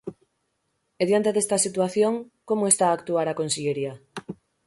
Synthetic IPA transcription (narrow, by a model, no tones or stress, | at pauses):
eðjant̪eðest̪asit̪uaθjoŋkomoest̪aːkt̪uaɾakonseʎeɾia